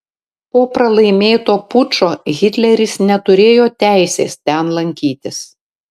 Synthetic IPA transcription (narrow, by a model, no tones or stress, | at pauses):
poːpɾɐlˠɐɪmʲeːt̪oːpʊt͡ʃoːɣʲɪt̪ʲlʲɛɾʲɪsnʲɛt̪ʊɾʲeːjoːt̪ʲæˑɪsʲḛːst̪ʲɛnlˠɐŋʲkʲiːt̪ʲɪs